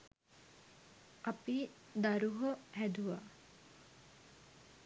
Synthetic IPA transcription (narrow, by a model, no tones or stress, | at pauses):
api | d̪aɾuɦohæd̪uʋa